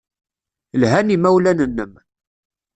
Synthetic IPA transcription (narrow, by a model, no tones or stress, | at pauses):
lɦænimæwlænənːəm